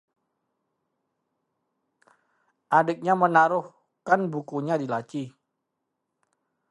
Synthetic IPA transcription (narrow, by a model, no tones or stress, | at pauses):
ʔadɪk̚ɲamənaɾʊh | kanbukuɲadilat͡ʃi